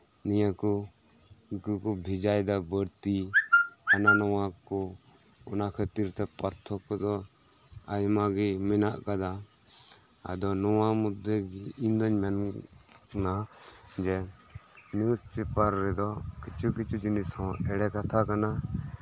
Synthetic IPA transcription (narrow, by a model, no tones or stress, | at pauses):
nijakɔ | ikukɔbʱid͡ʒajd̪abəɾt̪i | ananɔwakɔ | ɔnakʰət̪iɾt̪ɛpaɾt̪ʰɔkɔd̪ɔ | ajmaɡɛmɛnaʔkad̪a | a̰d̪ɔnɔwamud̪ʱɛɡiind̪ɔɲmɛn | nad͡ʒɛ | niuspɛpaɾːɛd̪ɔkit͡ʃʰukit͡ʃud͡ʒunishɔ̃ɛɽɛkat̪ʰakana